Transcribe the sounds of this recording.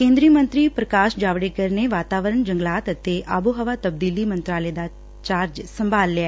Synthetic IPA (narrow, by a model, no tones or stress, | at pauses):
kẽːnd̪ɾiəmə̃nt̪ɾiːpɾəkaːʃd͡ʒaːʋɽeːkəɾneʋaːt̪aːʋəɾəɳd͡ʒəŋɡlaːt̪ət̪eːʔaːbuɦəʋaːt̪əb̚d̪iːliːmə̃nt̪ɾaːleːd̪aː | t͡ʃaːɾd͡ʒsəmbaːlːaɛː